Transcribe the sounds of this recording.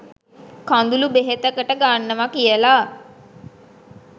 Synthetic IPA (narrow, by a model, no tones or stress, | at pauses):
kãnd̪ulubeɦet̪əkəʈəɡanːəʋakijəla